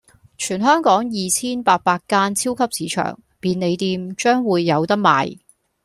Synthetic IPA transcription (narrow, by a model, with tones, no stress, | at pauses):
t͡ʃʰyː˨˩nɦœː˥ŋkɔː˨˥ŋjiː˨˧t͡sʰiː˥npaː˧t̚paː˧k̚kaː˥nt͡sʰiː˥wkʰɐ˥p̚siː˨˥t͡ʃʰœ̰ː˨˩ŋ | piː˧nle˨˧jt̪iː˧mt͡ʃœː˥ŋwuː˨˧jːɐ˨˧wt̪ɐ˥k̚ma̰ː˨j